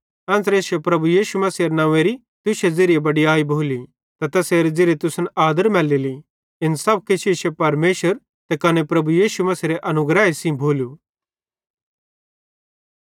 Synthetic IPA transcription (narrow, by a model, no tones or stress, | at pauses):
ɛ̃ːsɾeːsepɾɐbujiːʃumɐsiɾenãːʋeɾi | t̪ʊʃed͡zeɾiebɐɖiaːibʱoːli | t̪ɐt̪ɛːseːɾid͡zeːɾet̪ʊsənaːd̪əɾmɛːlili | ɪnsɐb̚kɪt͡ʃʰiʃepɐɾmeːʃəɾ | t̪ɛkɐnepɾɐbujiːʃumɐsiɾeʔɐnʊɡɾɛːɦesĩbʱoːlu